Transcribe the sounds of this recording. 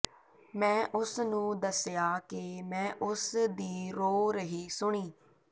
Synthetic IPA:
mɛ̃ːʔʊsnũːd̪əsjaːkemɛ̃ːʔʊsd̪iːɾoːɾəɦiːsʊɳ̃iː

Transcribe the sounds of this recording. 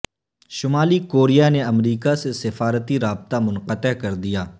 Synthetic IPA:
ʃʊmaːlikoːɾijaneɐmɾiːkasesɪfaːɾət̪iɾaːb̚t̪amʊ̃nqət̪əkɐɾd̪ijaː

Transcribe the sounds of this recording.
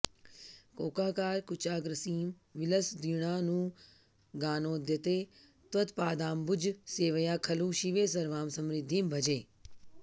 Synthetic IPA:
koːkaːkaːɾkʊt͡ʃaːɡɾəsiːm | ʋɪləsd̪iɽ̃aːnũː | ɡaːnoːd̪jɐt̪eː | t̪ʋət̪paːd̪aːmbʊd͡ʒseːʋəjaːkʰɐlũːʃiʋeːs̬ɐɾʋaːmsɐmɾɪd̪ʱːiːmbʱɐd͡ʒeː

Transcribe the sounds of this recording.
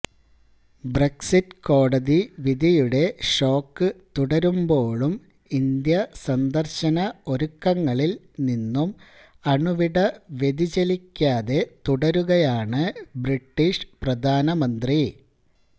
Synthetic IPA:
breksitko̞ːɽɐðiʋid̪ʱijuɽe̞ʂo̞ːkːɨt̪uɽɐɾumbo̞ːɭum | ind̪jɐsɐnd̪ɐrɕɐnɐo̞ɾukːɐŋːɐɭil | ninːum | ɐɳuʋiɽɐʋe̞d̪id͡ʑelikʲːaːðe̞t̪uɽɐɾuɣɐjaːɳɨbriʈːiʂprɐd̪ʱaːnɐmɐnt̪ri

